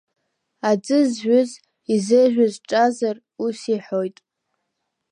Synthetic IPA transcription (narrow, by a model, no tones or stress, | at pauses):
ad͡zʼɨzʒʷʊz | izeʒᶣʊzʈ͡ʂʼazar | usiħo̞jtʼ